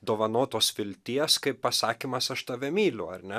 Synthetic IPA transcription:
d̪oːʋɐnoːt̪oːsfʲɪlʲt̪ʲiɛskɐɪppɐsɑːkʲiːmɐsɐʃt̪ɐʋʲɛmʲiːlʲʊɐ̰ɾʲnʲɛ

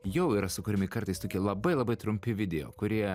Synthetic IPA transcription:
jɛʊiːɾɐsʊkʊːɾʲɪmʲɪkɐɾt̪ɐɪst̪oːkʲilˠɐbɐɪlˠɐbɐɪt̪ɾʊmʲpʲɪʋʲɪd̪ʲɛjo̰ːkʊɾʲiɛ

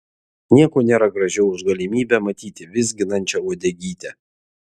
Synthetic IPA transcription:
nʲiɛkoːnʲeːɾɐɡɾɐʒʲɛʊʊʒɡɐlʲɪmʲiːbʲɛmɐt̪ʲiːt̪ʲɪʋʲɪzʲɡʲɪnɐnʲt͡ʃʲɛuɔd̪ʲɛɡʲiːt̪ʲɛ

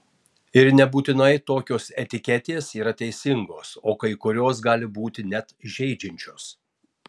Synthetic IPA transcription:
ɪɾnʲɛbuːt̪ʲɪnɐɪt̪oːkʲoːsɛt̪ʲɪkʲɛt̪ʲeːsiːɾɐt̪ʲɛɪsʲɪŋɡoːsoːkɐɪkʊɾʲoːsɡɑːlʲɪbuːt̪ʲɪnʲɛt̪ʒʲɛɪd͡ʒʲɪnʲt͡ʃʲoːs

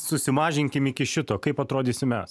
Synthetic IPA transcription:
sʊsʲɪmɑːʒʲɪŋʲkʲɪmɪkʲɪʃʲɪt̪oːkɐɪpɐt̪ɾoːd̪ʲiːsʲɪmʲɛ̰s

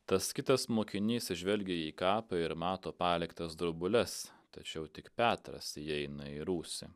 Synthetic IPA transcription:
t̪ɐskʲɪt̪ɐsmoːkʲɪnʲiːsʲɪʒʲʋʲɛlʲɡʲeiːkɑːpɐɪɾmɑːt̪oːpɑːlʲɪkt̪ɐsd̪ɾʊbʊlʲɛst̪ɐt͡ʃʲɛʊt̪ʲɪkpʲæːt̪ɾɐ̰sɛɪnɐiɾuːsʲɪ

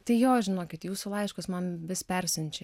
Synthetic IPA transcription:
t̪ɐɪjoːʒʲɪnoːkʲɪt̪juːsʊlˠɐɪʃkɐsmɐnʋʲɪspʲɛɾʲsʲɛnʲt͡ʃʲɛ

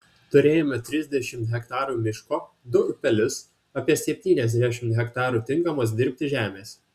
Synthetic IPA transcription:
t̪ʊɾʲeːjomʲɛt̪ʲɾʲɪzʲd̪ʲɛʃʲɪmt̪ɦʲɛkt̪ɑːɾuːmʲɪʃkoː | d̪ʊpʲɛlʲʊs | ɐːpʲiɛsʲɛpʲt̪ʲiːnʲɛzʲd̪ʲæʃʲɪmt̪ɦʲɛkt̪ɑːɾuːt̪ʲɪŋkɐmoːs̬d̪ʲɪɾʲpʲt̪ʲɪʒʲæːmʲeːs

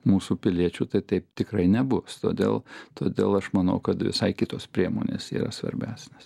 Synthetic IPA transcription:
muːsupʲɪlʲiɛt͡ʃʲuːt̪ɐɪt̪ɐɪpt̪ʲɪkrɐɪnʲɛbʊst̪oːd̪ʲḛːlˠt̪oːd̪ʲeːlˠɐʃmɐnɐ̰ʊkɐt̪ʋʲɪ̰sɐɪkʲɪt̪oːspʲɾʲiɛmo̰ːnʲḛːsḭːɾɐ̰sʋɐ̰ɾʲbʲæːsʲnʲeːs

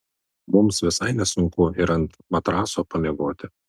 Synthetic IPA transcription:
mʊmsʋʲɪsɐɪnʲɛsʊŋkʊɪɾɐnt̪mɐt̪ɾɑːsoːpɐlʲeɪɡoːt̪ʲɪ

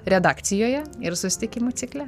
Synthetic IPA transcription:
ɾʲɛd̪ɑːkt̪sʲɪjoːjɛɪɾsʊsʲɪt̪ʲɪkʲɪmuːt̪sʲɪklʲɛ

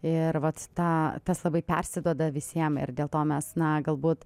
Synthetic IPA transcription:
ɪɾʋɐt̪t̪ɑːt̪ɐslˠɐbɐɪpʲɛ̰rʲsʲɪd̪uɔd̪ɐʋʲɪsʲiɛmɪ̰rd̪ʲeːlˠt̪oːmʲɛsnɐɡɐlˠbuːt̪

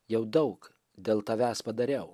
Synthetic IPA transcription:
jɛʊd̪ɐʊk | d̪ʲeːlˠt̪ɐʋʲæːspɐd̪ɐɾʲɛʊ

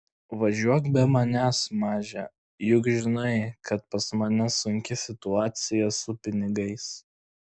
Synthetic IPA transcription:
ʋɐʒʲuɔkbʲɛmɐnʲæsmɑːʒʲɛ | jʊkʒʲɪnɐɪkɐt̪pɐsmɐnʲɛsʊŋʲkʲɪsʲɪt̪ʊɑːt̪sʲɪjɛsʊpʲɪnʲɪɡɐɪs

